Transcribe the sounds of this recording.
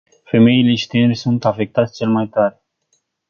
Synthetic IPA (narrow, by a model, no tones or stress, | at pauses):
fe̞me̞ile̞ʃi̥t̪eneɾʲsunt̪afe̞k̚t̪at̪sʲt͡ʃe̞lmajt̪aɾe